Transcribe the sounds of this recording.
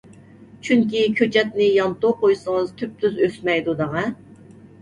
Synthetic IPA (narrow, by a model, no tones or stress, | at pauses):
t͡ʃʰyŋkʲikʲʰøt͡ʃʰɛt̪nɪjɑmt̪oqʰojsəŋəzt̪ʰyp̚t̪ʰyzøsmɛjd̪ud̪ɑʁɑ